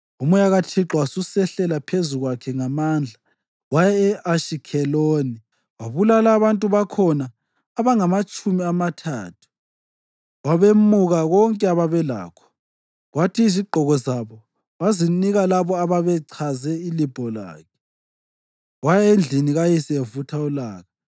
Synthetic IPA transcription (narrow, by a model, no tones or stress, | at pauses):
umujaɣatʰiǁɔwasusɛɬɛlapʰezuɣwakʰɛŋamaːnd͡ɮʱa | wajaɛʔaʃikʰɛloːni | waβulalaːβantʼuβakʰɔnaː | βaŋamat͡ʃʼumiamatʰa̰ːtʰu̥ | waβemuɣaɣɔŋkʼɛaβaβɛla̰ːkʰɔ̥ | ɣwatʰiːziɡ͡ǃʱɔɣɔzaβɔ | βaziniɣalaβɔaβaβɛǀʰazɛilib̥ʱɔla̰ːkʰɛ̥ | wajaend͡ɮʱiniɣajisɛevutʰaulaːɣa